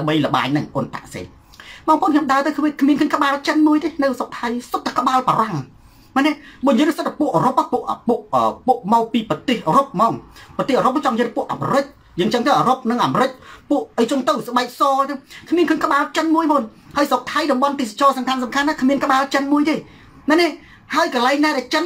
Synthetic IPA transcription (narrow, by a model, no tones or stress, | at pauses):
aəmɓəjlə̆ɓa̰ːɲnɨŋʔont̪a̰ʔsḛː | mɑːŋpəʔoːnkʰɑəmɗaət̪ɨwkʰːʋiəkʰmiənkʰəːənŋkə̆ɓaːlt͡ɕənmuəjt̪eːnɨwsok̚t̪ʰajsot̪ːakə̆ɓaːlpɔɾɑŋ | manɛʔɓoɲəlɨhsəɨt̪̚ʰːapuəʔəːɾop̚ʔapuəʔpuəʔəːpuəʔmɔːk̚piːpɑt̪eːhʔəːɾop̚mɔːŋprɑt̪eːhəːɾop̚ːat͡ɕɑŋɲəapŭəʔa̰ːmɾɨc̚ | jəːŋʔt͡ɕəŋt̪əwʔəːɾop̚nɨŋʔaːmɾɨc̚puəʔʔəjt͡ɕʊ̆ənt̪ɨwsə̆ɓaɛk̚sɑːt̪ɨwkʰmiənkʰəːnkə̆ɓaːlt͡ɕənmuəjmoːn | haəjsok̚t̪ʰajɗɑmɓɑnt̪eːsḁt͡ɕɑːsɑmkʰansɑmkʰanːaːkʰmiənkə̆ɓaːlt͡ɕənmuəjt̪ʰeː | nanɛʔ | haəjkəːlaɛŋnaːɗaɛlt͡ɕən